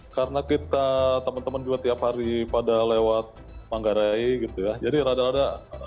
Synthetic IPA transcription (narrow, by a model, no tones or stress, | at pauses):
karənakit̪at̪əmənt̪əmənd͡ʒuat̪iaphaɾipadalewat̪̚ | maŋɡaɾaiɡit̪ujad͡ʒadiɾadaɾada